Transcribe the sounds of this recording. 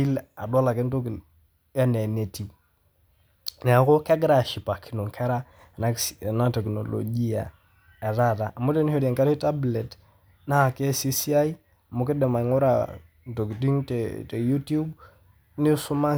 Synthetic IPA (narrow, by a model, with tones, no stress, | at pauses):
i˦la̰˨dɔ˦la˨ke˦n˦to˦ki˨ | a˦ne˨ne˨ti˨ | nɛ˨a˨ko˦kɛ˦ɡɾa˨ʃi˨pa˨kʰi˨no˨ŋkʰɛ˦ɾa˦˨ | na˦˨na˦tɛ˨kno̰˨lo̰˨d͡ʒi˦a̰˨ | a˨ða˦da˨ʔa˨mu˦de˦n˦ho˨de˨ŋka˦ɾi˦ta˦ble˨t | na˦ha˨ke˦si˦si˦a˦i˦ | a˨mu˦ki˦dɛ˨ma˨ŋo˦ɾa̰˨ | n˨to˨kti˦ŋtte˨ju˦tu˦b | ni˦su˦ma˦